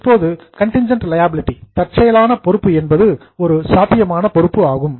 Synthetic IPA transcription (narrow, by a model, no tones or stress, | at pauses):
pːoːðɯ | kɐɳʈɪnd͡ʒɐɳʈlɐjaːbɪlɪʈːit̪ɐʈ̚t͡ʃɐjɐlaːnɐpɔɾɯpːɯɛnbɐðɯ | ɔɾɯsaːt̪ːɪjɐmaːnɐpɔɾɯpːɯaːɣɯm